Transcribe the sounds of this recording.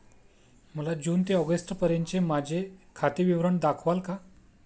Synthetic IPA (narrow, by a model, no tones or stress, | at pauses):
m̤əlad͡ʑuːnt̪eɔɡəsʈpəɾjənt͡ɕemad͡ʑʱekʰat̪iʋiʋɾəɳd̪akʰʋalka